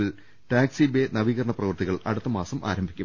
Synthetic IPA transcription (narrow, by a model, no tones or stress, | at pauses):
il | ʈaːksibenɐʋiːɣɐɾɐɳɐprɐʋɨrt̪iɣɐɭɐ̰ɽut̪ːɐmaːsɐmʔa̰ːɾɐmbʱikʲːum